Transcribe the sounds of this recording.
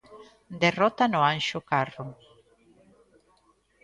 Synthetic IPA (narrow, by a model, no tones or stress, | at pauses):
d̪erɔt̪anʊãnʃʊkarʊ